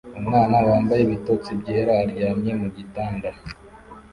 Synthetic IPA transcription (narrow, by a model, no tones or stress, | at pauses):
umŋaːnawaːmbajeβitoːt͡sibɟeːɾahaɾɟaːmɲe̞muɟitaːnda